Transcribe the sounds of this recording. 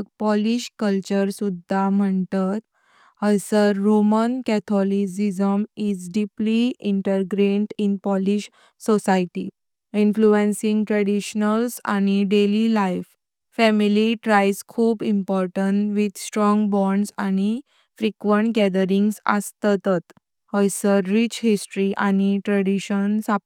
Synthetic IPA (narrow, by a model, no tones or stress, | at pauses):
pɔliɕkəlt͡ɕəɾsud̪ʱːam̤əɳt̪at̪ | əsəɾːomənkɛt̪ʰɔlis̬izəmid͡zɖipliiɳʈəɾɡɾeɳʈinpɔliɕ | sɔsajʈi | influənsĩŋɡʈɾəɽiɕnəlsa̰ñiɖelilajf | fɛmiliʈɾajskʰuːbimpɔɾʈəɳʈʋid̪sʈɾɔ̃ŋɡbɔɳɖsañi | fɾikʋəɳʈɡɛd̪əɾiŋɡsə̰st̪t̪ət̪ | əjsəɾːit͡ɕhisʈɾiʔañiʈɾəɽiɕənsa